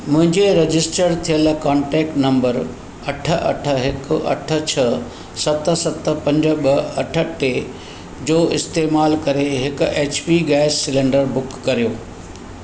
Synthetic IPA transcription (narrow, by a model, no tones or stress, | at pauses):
mʊ̃ɦɪ̃ɲd͡ʑeɾɐd͡ʑɪsʈəɾt̪ʰijəlkaːɳʈeːk̚ʈnɐ̃mbəɾ | ɐʈʰə̆ʔɐ̰ʈʰə̆ɦɪkʊɐ̰ʈʰə̆t͡ɕʰɐ | sɐt̪ə̆sɐt̪ə̆pɐ̃ɲd͡ʑə̆ɓɐɐʈʰə̆ʈe | d͡ʑoːɪst̪eːmaːlkɐɾeɦɪkʊ̆eːt͡ɕpiɡaːɪssɪlẽːɳɖəɾbʊkːɐɾijoː